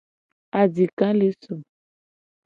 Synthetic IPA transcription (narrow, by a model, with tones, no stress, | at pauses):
a˨d͡ʒi˨kã˦le˦so˨